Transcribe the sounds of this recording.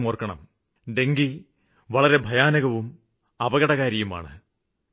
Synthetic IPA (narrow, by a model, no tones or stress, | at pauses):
moːrkɐɳɐ̰m | ɖeŋɡi | ʋɐɭɐɾe̞bʱɐjaːnɐɣɐʋum | ɐbɐɣɐɽɐɣaːɾjijuma̰ːɳɨ